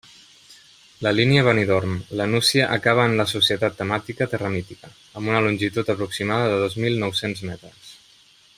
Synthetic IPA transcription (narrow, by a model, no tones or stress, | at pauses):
ləliniəβ̞əniðɔɾmlənusiəʔəkaβ̞əːnləsusiət̪at̪ːəmat̪ikət̪ərəmit̪ikə | əmbunəlunʲʒit̪ut̪əpɾuksimaðəðəðozmilˠnɔwsenzmɛt̪ɾəs